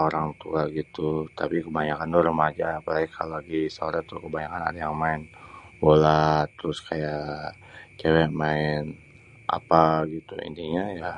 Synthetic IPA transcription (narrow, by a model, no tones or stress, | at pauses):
oɾaŋt̪ukaɡit̪ut̪apikəbaɲakand̪ʊɾəmad͡ʒaːpalaɡikʰalolaɡisaoɾaŋt̪ʊkəbaɲakana̰dajaŋmaɪnbolat̪əɾʊskʰajaʔ | t͡ʃewɛʔmaɪn | ʔa̰paɡit̪ṵḭndiɲaja